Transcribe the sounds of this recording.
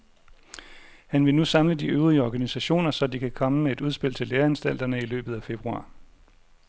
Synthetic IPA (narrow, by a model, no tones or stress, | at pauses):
hænʋe̝nusɑ̈mləd̥iøʊʁˠiəɒɡ̥ænisæɕo̝̰ːnɐsɒ̽d̥ikʰækʰɒ̽məmee̝d̥uð̞ˠsb̥e̝l̰t͡sʰe̝leːɐænsd̥æl̰d̥ɐnəilø̰ːb̥ð̩ˠæfe̝b̥ʁuɑ̰̈ː